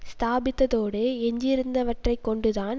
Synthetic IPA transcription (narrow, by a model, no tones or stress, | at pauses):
st̪aːbɪt̪ːɐðoːɽeːɛɲd͡ʒɪɾɯnd̪ɐʋɐʈrɐɪkːɔɳɖɯðaːn